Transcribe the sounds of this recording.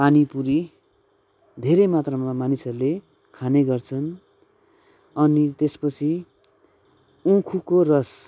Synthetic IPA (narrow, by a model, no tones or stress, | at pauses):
panipuɾi | d̪ʱeɾʌmat̪rʌmamanisʌrle | kʰaneɡʌrt͡sʰʌn | ʌnit̪espʌt͡sʰi | ũkʰukorʌs